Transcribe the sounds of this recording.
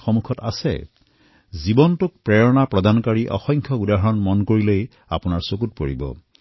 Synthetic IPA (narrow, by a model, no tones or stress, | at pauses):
xomukʰɔta̰sɛ̰ | zibɔntuk̚pɹɛɹɔnapɹɔd̪ankaɹiʔɔ̰xɔŋkʰjɔɡudaɦɔɹɔnmɔnkoɹilej | a̰punaɹsokut̚poɹibɔ̰